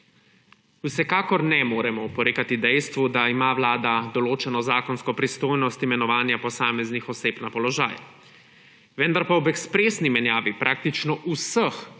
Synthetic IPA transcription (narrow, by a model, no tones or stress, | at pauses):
usɛkaːkɔɾnɛmoːɾɛmɔpɔɾeːkat̪id̪ɛjst̪ʋud̪aimaʋlaːd̪ad̪ɔloːt͡ʃɛnɔzaːkɔnskɔpɾist̪oːjnɔst̪imɛnɔʋaːnjapɔsaːmɛznixɔseːbnapɔlɔʒaːj | ʋɛnd̪aɾpawbɛkspɾeːsnimɛnjaːʋipɾʔaːk̚t̪it͡ʃnɔʔusəx